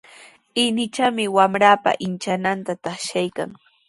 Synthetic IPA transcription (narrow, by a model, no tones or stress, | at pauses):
ɪnɪt͡ʃamɪwamɾaːpa̰ʔɪnt͡ʃanant̪at̪aχʃajka̰ŋ